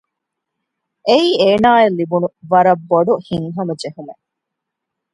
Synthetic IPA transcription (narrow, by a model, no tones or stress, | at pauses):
ʔeiːeːnaːelːibunuʋɐɾɐbːoɖuhiŋɦɐmɐd͡ʒeɦume